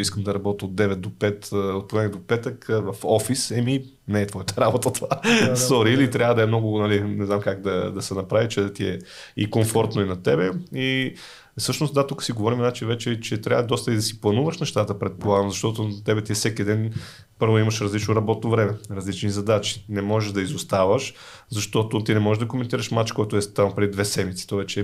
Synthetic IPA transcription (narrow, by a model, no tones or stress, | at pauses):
iskəmd̪ɐɾɐbɔt̪od̪̚d̪ːɛvɛt̪̚d̪opɛt̪ot̪poɛnʲd̪opɛt̪əkvɐfɔfisɛmi | nɛːt̪vɔjət̪ə̥ɾabot̪ət̪vasɔɾiilit̪ɾʲjavəd̪ɐɛmnɔɡʊnɐlinɛzamkaɡd̪ɐd̪ɐsɛnɐpɾavit͡ʃɛt̪iɛikomfɔɾt̪noinɐt̪ɛbɛi | sɤʃnosd̪at̪ukə̥siɡovɔɾimnat͡ʃinvɛt͡ʃɛt͡ʃɛt̪ɾʲavəd̪ɔst̪əid̪ɐsi̥plˠɐnuvəʃnɛʃt̪at̪əpɾɛt̪̚polˠaɡəmzɐʃt̪ɔt̪ot̪ɛbɛt̪isɛkid̪ɛn | pɤɾvoimɐʃɾɐzlit͡ʃnoɾɐbɔt̪novɾɛmɛɾɐzlit͡ʃnizɐd̪at͡ʃi̥nɛmɔʒɛʒd̪ɐizost̪avəʃ | zɐʃt̪ɔt̪ot̪inɛmɔʒɛʒd̪ɐkomɛnt̪iɾəʃmat͡ʃkɔjt̪ʊɛst̪ampɾɛd̪id̪vɛsɛmit̪si̥t̪ɔvɛt͡ʃɛ